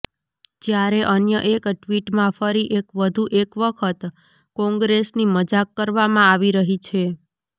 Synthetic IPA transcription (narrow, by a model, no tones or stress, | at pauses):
d͡ʒjaɾeʔənjəʔekʈʋiʈmãfəɾiʔekʋəd̪ʱuʔekʋəkʰət̪ | kɔ̃ŋɡɾesniməd͡ʒakːəɾʋamãaʋiɾəɦit͡ʃʰe